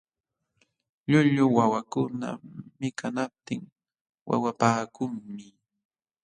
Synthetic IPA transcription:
ʎʊʎʊwawakʊna̰mɪkanap̚t̪ɪŋ | wa̰wapaːkʊŋmɪ

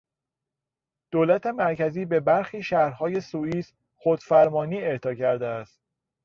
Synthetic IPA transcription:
d̪̥oːlæt̪ʰe̞mæɾcʰæziːbe̞bæɾxiːʃæhɾhɒːje̞suːiːs | xod̪̥fæɾmɒːniːeɾt̪ʰɒːcʰæɾd̪eæst̪̚

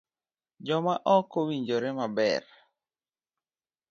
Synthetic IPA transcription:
d͡ʒɔmaʔɔkowiɲd͡ʒoɾemabɛ̰r

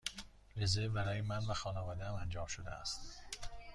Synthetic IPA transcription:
ɾezebæɾɒːjemænvæxɒːnɒːvɒːd̪ææmænd͡ʒɒːmʃod̪ḛæ̰st̪

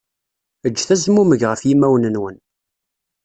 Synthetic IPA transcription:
əd͡ʒːθæzmuməʝʁəfjimæwnənwən

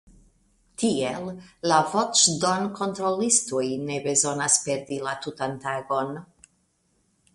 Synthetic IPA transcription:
tielːavo̞t͡ʃdonko̞nt̪ɾo̞listujne̞be̞zo̞naspe̞ɾdilatutantaɡo̞n

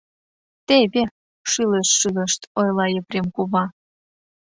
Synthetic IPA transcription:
t̪eβʲe | ʃileʃːyðə̆ʃt̪ojlˠɑjeprʲemkuβɑ

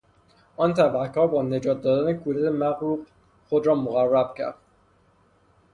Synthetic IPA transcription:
ʔɒːnt̪ʰæbækʰɒːɾbɒːne̞d͡ʒɒːt̪̚d̪ɒːd̪æne̞kʰuːd̪æt̪ʰemæɣɾuːq | xod̪ɾɒːmoɣærːæb̥cʰæ̰ɾd̪̥

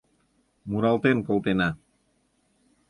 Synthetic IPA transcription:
muɾɑlˠt̪enkolˠt̪ena

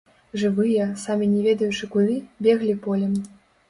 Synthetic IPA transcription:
ʐɨvɨjɛsamʲinʲɛvʲɛd̪ɐjut͡ʂɨkud̪ɨbʲɛɣlʲipɔlʲɛm

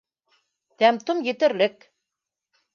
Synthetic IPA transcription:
t̪æmt̪omjɘ̆t̪ɘ̆ɾlɘk

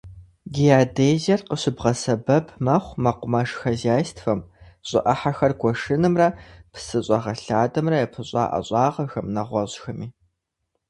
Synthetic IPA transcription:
ɡijaːdeːzɐrqəɕɪbʁɐsɐbɐpʰmɐχʷmɐqʷʊmɐʂxɐzaːstʰfɐm | ɕʼɪ̰ʔɐħaxɐrɡʷʰɔʂɨnɨmrɐpʰsɨɕʼɐʁɐɬaːdɐmrɐjɛpʰɨɕʼɑ̰ːʔɐ̰ɕʼɑːʁɐxɐmnɐʁʷɔʑxɐmiː

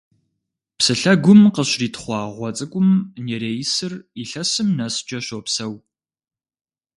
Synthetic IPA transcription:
psɨɬɐɡʷʊmqəɕriːtʰχʷɑːʁʷɔt͡sʼɨkʷʼʊmneːɾeːjsɨriɬɐsɨmnɐsd͡ʒʼɐɕopsɐw

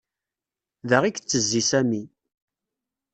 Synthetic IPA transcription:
ðəʁikt͡sːəzːisæmi

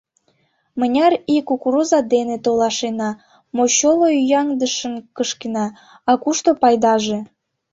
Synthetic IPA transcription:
mənʲɑrikukruzɑd̪enet̪olɑʃenɑ | moɕoloyjɑŋd̪əʃənkəʃkenɑ | ɑkuʃt̪opɑjd̪ɑʒe

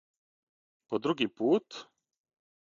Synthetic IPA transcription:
pɔd̪ɾuɡipuːt̪

